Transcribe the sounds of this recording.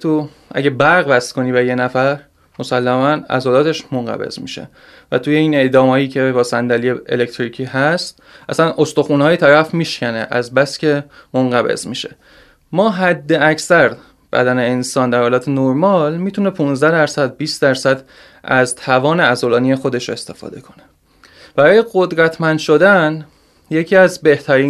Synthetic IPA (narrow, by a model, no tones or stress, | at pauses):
t̪ʰu | ʔæ̰ɟebæɾɣvæst̪kʰo̞niːbejenæfæɾ | mo̞sælːæmænæ̰zoːlɒːt̪ʰe̞ʃmoŋɢæ̰be̞̰zmḭʃḛ | væt̪ʰuːjeiːne̞d̪ɒːmhɒːjiːcʰe̞bɒːsænd̪ælieḛlect̪ʰɾicʰiːɦæst̪̚ | ʔæsænʔost̪o̞xunhɒːjet̪ʰæɾæfmiːʃcʰʲæneʔæzbæscʰemonɢæbḛzmiːʃe̞̰ | mɒːɦæd̪ːe̞æcsæɾ | b̥æ̰d̪æneːnsɒːnd̪æɾhɒːlɒːt̪ʰenoɾmɒːlmiːt̪ʰune̞pʰunzd̪æd̪æɾsæd̪̚biːst̪d̪æɾsæd̪ | ʔæzt̪ʰævɒːneæzolɒːnijexo̞d̪eʃest̪e̞fɒ̰ːd̪e̞kʰo̞̥ne̞ | b̥æɾɒːje̞ɡod̪ɾæt̪ʰmænd̪ʃo̞d̪æn | je̞cʰiːæzbe̞ht̪ʰæɾiː